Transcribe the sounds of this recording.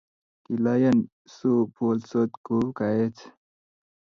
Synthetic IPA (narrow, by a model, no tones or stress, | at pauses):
kilajɐn | supolsot̪kukaet͡sʰ